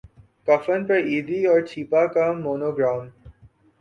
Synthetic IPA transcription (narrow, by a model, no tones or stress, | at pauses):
kɐfənpɐɾiːd̪iɔːɾt͡ʃʰiːpakamoːnoːɡɾãːm